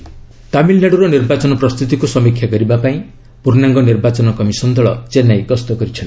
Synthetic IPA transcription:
t̪amilnaɽuɾɔniɾbat͡ʃɔnɔpɾɔst̪ʰut̪̬ikusɔmikʰjaɡɔɾibapaĩ | puɾnaŋɡɔniɾbat͡ʃɔnɔkɔmisɔnd̪ɔɭɔt͡ʃenajkɔst̪ɔkɔɾit͡ʃʰʌn

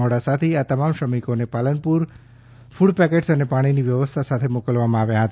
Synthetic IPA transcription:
ɔɽasat̪ʰiat̪əmamʃəmikonepalənpuɾ | fuɽpɛkeʈsənepaɽ̃iniʋjəʋəst̪ʰasat̪ʰemokəlʋamãaʋjãɦət̪a

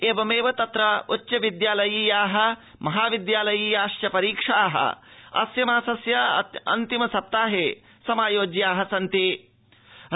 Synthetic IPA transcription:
eːʋɐmeːʋɐt̪ɐt̪ɾɐutːɕɐʋid̪jaːlɐjiːjaːɦɐ̆ | mɐɦaːʋid̪jaːlɐjiːjaːʃjɐpɐɾiːkʂaːɦɐ̰ɐ̰sjɐmaːsɐsjɐɐ̰nt̪imɐsɐp̚t̪aːɦe | sɐmaːjoːd͡ʒjaːɦɐsɐnt̪i

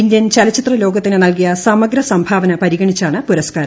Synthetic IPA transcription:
ind̪jɐnt͡ɕɐlɐt͡ɕːit̪rɐlo̞ːɡɐt̪ːinɨnɐlkijɐsɐmɐɡɾɐsɐmbʱaːʋɐnɐpɐɾiɣɐɳit͡ɕːaːɳɨpuɾɐskaːɾɐ

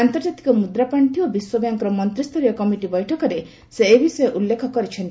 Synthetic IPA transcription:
ant̪ɔɾd͡ʒat̪i̥kɔmud̪ɾapaɳʈiobiswɔbjaŋkɔɾɔmɔnt̪ɾist̪ʰoɾijɔkɔmiʈibɔjʈʰɔkɔɾe | seːbisɔjʔulːekʰɔkɔɾit͡ʃʰɔnt̪

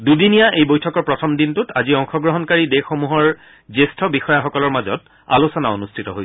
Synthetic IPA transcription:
dudinijaʔejbojtʰɔkɔɹpɹɔtʰɔmdintutaziɔŋxɔɡɹɔɦɔnkaɹidexomuɦɔɹ | zestʰɔbixɔjaxɔkɔlɔɹmazɔ̰t | a̰lusɔnaonustʰitɔ̰ɦojɛ

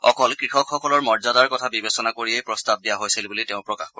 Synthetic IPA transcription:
ɔkɔlkɹixɔkxɔkɔlɔɹmɔɹzadaɹkɔtʰabibesɔnakoɹiejpɹɔstab̚dijaɦojsilbuliteʊ̃pɹɔkaxkɔ

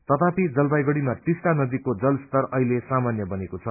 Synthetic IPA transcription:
t̪ʌt̪apid͡zʌlbajɡʌɽimat̪isʈanʌd̪ikod͡zʌlst̪ʌrʌɦilesamanjʌbʌnekot͡sʰʌ

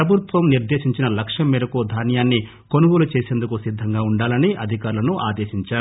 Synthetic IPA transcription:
ɾɐbʱut̪ʋɐmniɾd̪e̞ːʃiɲt͡ʃinɐlɐkʂɐmːiːɾɐkud̪ʱaːnjaːnːi | konuɡulut͡ʃeːseːnd̪ukusid̪ʱːɐŋɡaːuɳɖaːlɐniʔɐd̪ʱikaːɾulɐnuʔaːd̪e̞ːʃiɲt͡ʃaːɾuu

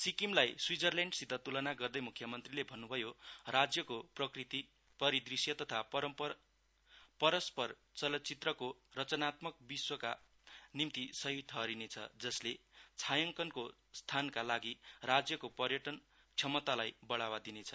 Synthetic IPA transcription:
sikimlajswid͡zʌrleɳɖsid̪ʱːʌt̪ulʌnaɡʌrd̪ʌjmukʰjʌmʌnt̪rilebʱʌnːubʱʌjorad͡zjʌkoprʌkrit̪i | pʌɾid̪risjʌt̪ʌt̪ʰapʌʌmp | pʌɾʌspʌr | t͡sʌlʌt͡sit̪rʌkorʌt͡sʌnat̪mʌk̚biswʌka̰ | nimt̪isʌɦiʈʰʌɾinet͡sʰʌ̰d͡zʌslet͡sʰajʌŋkʌnko | st̪ʰankalaɡirad͡zjʌkopʌrjʌʈʌn | kt͡sʰʌmʌt̪alajbʌɽawad̪inet͡sʰʌ

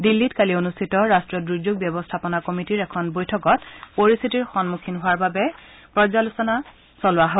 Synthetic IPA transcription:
dilːitkalionustʰitɔɹastɹɔdɹud͡ʑoɡ̚bjɔbɔstʰapɔnakɔmitiɹɛkʰɔnbojtʰɔkɔtpoɹist̪ʰitiɹxɔnmukʰinɦowaɹbabɛ | pɹɔzalusɔna | sɔlʊwaɦɔ

